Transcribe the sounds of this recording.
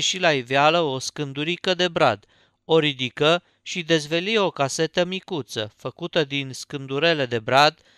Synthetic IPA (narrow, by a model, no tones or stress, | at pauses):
ʃilaivealəo̞skɨnd̪uɾikəd̪e̞bɾa̰d̪ | oɾid̪ikə | ʃid̪e̞zve̞lio̞kase̞t̪əmikut̪sə̰fəkut̪əd̪inskɨnd̪uɾe̞le̞d̪e̞bɾad̪